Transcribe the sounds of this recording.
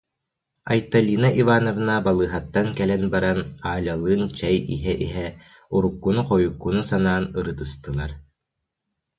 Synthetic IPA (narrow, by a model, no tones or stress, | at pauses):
a̰jt̪alʲiːnaʔivaːnɔvnabalˠɯːɦat̪ːaŋkɛlɛnbaɾanaːlʲalˠɯːnt͡ɕɛjḭɦɛʔiɦɛ | uɾukːunuqɔjukːunusanaːnɯɾɯt̪ɯst̪ɯlˠaɾ